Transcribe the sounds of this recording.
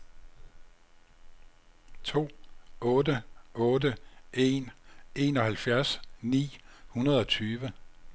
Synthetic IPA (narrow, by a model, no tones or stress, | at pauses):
t͡sʰo̝̰ːɔ̽ːdəɔ̽ːdəe̝ːne̝ːnɒ̽hælfjæɐsnḭːhunɐð̞̩ˠɒ̽t͡sʰyːʋə